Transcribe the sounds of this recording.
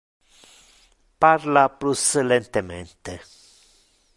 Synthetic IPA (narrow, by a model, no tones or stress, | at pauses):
parlapɾusəlent̪ement̪e